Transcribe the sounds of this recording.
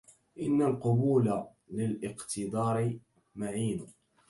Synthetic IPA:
ʔɪnːalqʊbuːla | lɪlʔɪqt̪ɨd̪ˤɑːɾɪ | maʕiːnʊ

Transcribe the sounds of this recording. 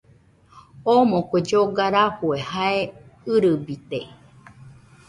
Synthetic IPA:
omõkʷed͡ʒoɡaɾaɸuehaeɨɾɨbit̪e

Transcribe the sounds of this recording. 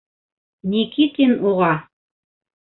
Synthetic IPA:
nʲikit̪inuʁɑ

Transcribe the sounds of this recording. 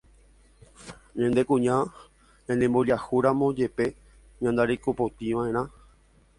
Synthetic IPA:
ɲãnd̪e̞kũɲã | ɲãnẽmboʎahuɾãmõd͡ʒe̞pe̞ | ɲãnd̪aɾikupot̪ĩʋãẽ̞ɾ̃ã

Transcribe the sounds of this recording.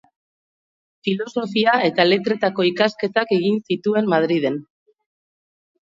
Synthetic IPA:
filo̞so̞fiae̞t̪ale̞t̪ɾe̞t̪ako̞ikaske̞t̪ake̞ɣinsit̪ue̞mmað̞ɾiðe̞n

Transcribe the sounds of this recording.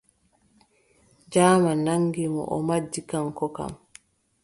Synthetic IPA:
d͡ʒaːmanaŋɡimɔ̰ʔɔmad͡ʒːikaŋkɔka̰m

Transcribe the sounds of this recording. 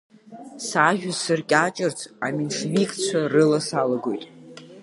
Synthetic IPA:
saʒʲᶣʷasɨrkʲʼat͡ʃʼɨrt͡sʰaminʂvikʼt͡ɕʷʰarɨlasalaɡojtʼ

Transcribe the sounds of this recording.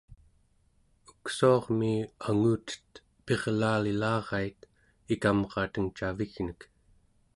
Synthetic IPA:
u̥ksuɑʁmiaŋuːt̪ə̥t̪ | pe̞ʁlaːlilɑːʁɑit̪ | ikamʁɑːt̪əŋt͡ʃaviɣnək

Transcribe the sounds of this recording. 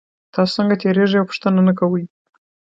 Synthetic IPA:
t̪ɑst͡səŋɡat̪ʰeɾeʐijawpʊ̥ʂt̪ənanəkawəj

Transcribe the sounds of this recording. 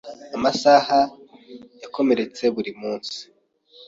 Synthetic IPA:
amasaha | jako̞me̞ɾe̞t͡se̞βuɾimuːnsi̥

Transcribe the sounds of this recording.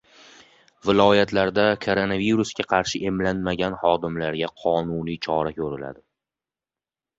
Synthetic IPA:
vɪlˠɒjat̪ʰlaɾd̪akʰoɾo̞naviɾuskʲaqʰɑɾʃɪʔe̞mlanmaɡʲanhɒd̪ɪmlaɾɡʲaqʰɒnunit͡ʃʰɒɾakʲʰɵɾɪla̰d̪ɪ

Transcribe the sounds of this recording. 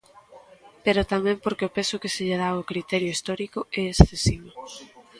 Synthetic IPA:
peɾʊt̪amɛ̃mpoɾkeopesʊkeseʎeðaʊkɾit̪ɛɾjoist̪ɔɾikʊɛesθesiβo

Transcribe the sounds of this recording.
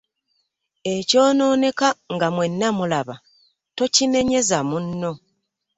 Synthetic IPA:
e̞co̞ːno̞ːne̞kaŋɡamwe̞nːamulaβa | to̞cine̞ɲe̞zamunːo̞

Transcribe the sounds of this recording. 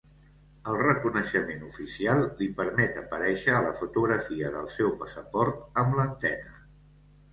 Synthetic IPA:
əlˠrəkunəʃəmenufisialˠːipəɾmɛt̪əpəɾɛʃəːləfut̪uɣɾəfiəðəlˠsɛwpəsəpɔɾt̪əmlənt̪ɛnə

